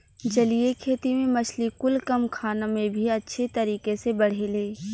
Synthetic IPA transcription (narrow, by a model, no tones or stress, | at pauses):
d͡ʒɐlijekʰeːt̪imẽmɐt͡ʃʰlikʊlkɐmkʰaːnẽmẽbʱiɐtːʃʰet̪ɐɾiːkesebɐɽ̤eleː